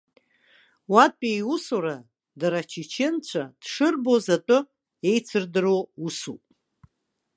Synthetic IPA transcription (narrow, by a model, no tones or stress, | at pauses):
watʼpʼejusoɾa | daɾat͡ʃʰit͡ʃʰɪnt͡ɕʷʰad̥ʂɨrbozatʼʊ | e̞jt͡sʰɨrdɨrousṵpʼ